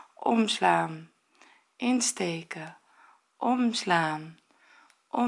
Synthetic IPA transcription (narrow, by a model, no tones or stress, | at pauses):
ɔmslaːm | ʔɪnstejkə | ʔɔmslaːm | ʔɔ